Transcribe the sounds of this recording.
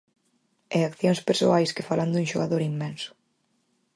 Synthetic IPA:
ɛakθjoŋspeɾsoajskɪfaland̪ũŋʃoɣaðoɾimːɛnsʊ̥

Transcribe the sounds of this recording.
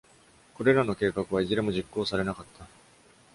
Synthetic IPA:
ko̞ɾe̞ɾano̞ke̞ːkakɯ̟β̞aiziɾe̞mo̞ʑikːo̞ːsaɾe̞nakat̪ʰːa

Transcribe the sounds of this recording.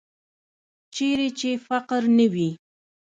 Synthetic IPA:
t͡ʃeɾet͡ʃefaqɾnəwi

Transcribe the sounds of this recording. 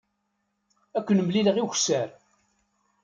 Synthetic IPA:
ækʷːənmliləʁiçsæɾ

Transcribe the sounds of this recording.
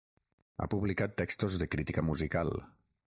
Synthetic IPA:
a̰puβlikat̪ːɛkst̪ozðəkɾit̪ikəmuzikalˠ

